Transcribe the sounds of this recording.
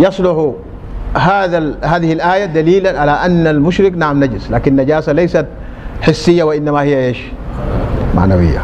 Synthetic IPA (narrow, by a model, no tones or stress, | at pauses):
jɑsˤlʊħu | ɦaːðahaːðihilʔaːjad̪aliːlanʕalaʔanːalmʊʃɾɪknaʕamnaɟislaːkinːaɟaːsalajsat̪̚ | ħɪsːijːawaʔinːamahijːaʔeːʃ | ma̰ʕna̰wḭjːa̰